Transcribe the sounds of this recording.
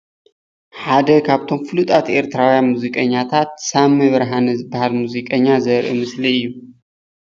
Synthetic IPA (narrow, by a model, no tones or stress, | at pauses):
ħad̪ɐkʰaβt̪ʰo̞mfɨlut̪ʼat̪ʔe̞ɾt̪ʰɨɾawjanmuzikʼɐɲːat̪ʰat̪̚samɐβɾɦanɐzɨbːahalmuzikʼɐɲːazɐɾʔɨmɨsliɨjːu